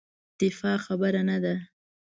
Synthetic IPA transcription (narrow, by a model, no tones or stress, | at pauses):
d̪̥ɪfɑxabəɾanad̪a